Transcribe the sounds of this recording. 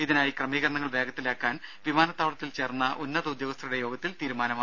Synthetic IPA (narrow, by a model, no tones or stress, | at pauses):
iðinaːjikrɐmiːɣɐɾɐɳɐŋːɐɭʋe̞ːɡɐt̪ːilaːkːaːnʋimaːnɐt̪ːaːʋɭɐt̪ːilt͡ɕe̞ːrnːɐʔunːɐðud̪joːɡɐst̪ʰɐɾuɽe̞jo̞ːɡɐt̪ːilt̪iːɾumaːnɐma